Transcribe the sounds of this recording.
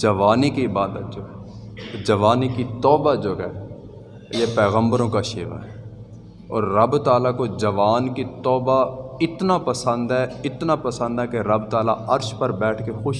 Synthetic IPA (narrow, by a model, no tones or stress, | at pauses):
d͡ʒəʋaːnikiɪbaːd̪ət̪̚d͡ʒoːɦɛːd͡ʒəʋaːnikit̪ɔːbad͡ʒoːɦɛː | jepɛːɣə̃mbəɾõkaʃeːʋa̰ɦɛ | ɔ̰ːɾːəbt̪aːlakod͡ʒəʋaːnkit̪ɔːbaɪt̪napəsə̃nd̪ɦɛɪt̪napəsə̃nd̪ɦɛkeɾəbt̪aːla̰ɐɾʃpəɾbɛːʈʰkexʊʃ